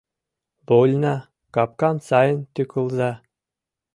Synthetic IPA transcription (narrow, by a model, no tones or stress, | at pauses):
bolʲnɑ | kɑp̚kɑnsɑjɤ̆nt̪ʲykŭlˠzɑ